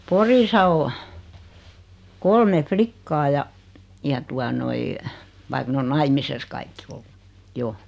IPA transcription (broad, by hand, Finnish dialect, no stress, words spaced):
porisɑ o kolme flikːɑː jɑ jɑ tuɑ noi ʋɑik n on nɑimises kɑikːi olːu jo